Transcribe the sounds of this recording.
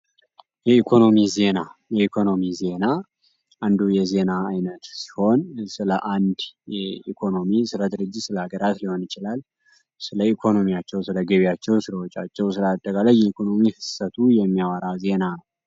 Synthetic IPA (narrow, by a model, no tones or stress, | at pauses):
jɛikʰo̞no̞mize̞najɛikʰo̞no̞mize̞na | ʔand̪ujɛze̞naːjnət̪si̥ho̞nsɨləʔand̪jɛikʰo̞no̞misɨləd̪ɨɾɨd͡ʒːɪt̪sɨləaɡəɾat̪liho̞njɪt͡ʃɪlal | sɨləikʰo̞no̞mijat͡ʃːɛwsɨləɡəβijat͡ʃːɛwsɨləwɔt͡ʃʼːa̰t͡ʃːɛwsɨləat̪ʼːəkʼalajːɛikʰo̞no̞mihɨsət̪ʰujɛmːijawaɾaze̞nanəw